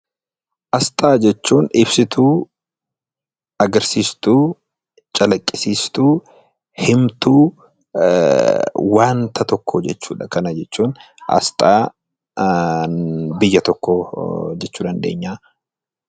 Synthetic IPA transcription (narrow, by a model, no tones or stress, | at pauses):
ʔɐst̪ʼaːd͡ʒɛt͡ʃːuːnɪbsɪt̪ʰuː | ɐɡɐɾsiːst̪uː | t͡ʃʼɐlɐkʼːɪsiːst̪uː | hɪmt̪uː | waːnt̪ʰɐt̪ɔkːɔd͡ʒɛt͡ʃːuːᶑɐkɐnɐd͡ʒɛt͡ʃːuːn | ʔɐ̰st̪ʼaː | bɪjːɐt̪ɔkːɔd͡ʒɛt͡ʃːuːᶑ̪ɐnd̪e̞̰ːɲːaː